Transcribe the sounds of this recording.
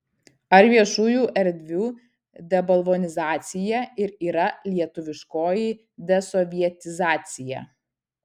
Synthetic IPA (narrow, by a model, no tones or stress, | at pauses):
ɐɾʋʲiɛʃuːjuːʔɛɾʲd̪ʲʋʲuː | d̪ʲɛbɐlˠʋɔnʲɪzɑːt̪sʲɪjɛːɪɾiːɾɐlʲiɛt̪ʊʋʲɪʃkoːji | d̪ʲɛsɔʋʲiɛt̪ʲɪzɑːt̪sʲɪjɛ̰ː